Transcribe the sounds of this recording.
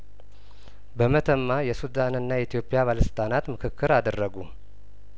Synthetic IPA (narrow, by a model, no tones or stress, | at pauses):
bəmət̪ʰəmːajɛsud̪anɨnːajɛit̪ʰijo̞pʼːijaβaləsɨ̥t̪ʼanat̪mɨkʰɨkːɨɾad̪ərːəɡu